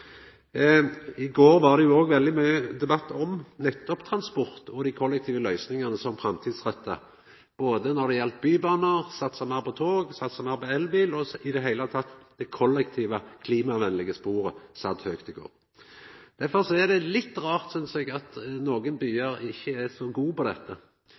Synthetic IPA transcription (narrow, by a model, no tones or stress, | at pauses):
ɪɡoːʁʋɑʁd̪ɛjʊoːɡʋɛld̪ɪmœʏəd̪ɛbɑt̪ːɔmnɛt̪ːɔpt̪ʰɾɑnspɔʁt̪ʰɔd̪ɪkʰɔlːɛk̚t̪ʰiːʋəlœʏsnɪŋɑnəsɔmfɾɑmt̪ʰiːd̪sʁœt̪ːɑ̰ | b̥oːd̪ənɔɾd̪ɛjɛlt̪̚byːbɑːnəʁsɑt̪ːsɑmɑːpɔt̪ʰoːɡsɑt̪ːsɑmɑːpɑɛlːbiːlɔɪd̪ɛɦæɪlət̪ʰɑt̪ːd̪̥ɛkʰɔlːɛkt̪ʰiːʋəkʰliːmɑʋɛnlɪɡəspuːɾəsɑd̪høːkt̪ɪɡo̰ːɾ | d̪̥æɾfɔɾsɔɛʁd̪ɛlɪt̪ːʁɑːʁt̪sʏnsɛɡɑt̪noːɡənbyːəɾɪçːəæsɔɡuːpɔd̪ɛt̪ːə